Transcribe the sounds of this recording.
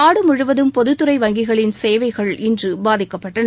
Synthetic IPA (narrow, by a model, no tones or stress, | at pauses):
aːɽɯmʊɻɯʋɐðɯmpɔðɯt̪ːɯɾɐɪʋɐŋɡɪɣɐɭɪnseːʋɐɪɣɐɭɪndrɯbaːðɪkːɐpːɐʈːɐn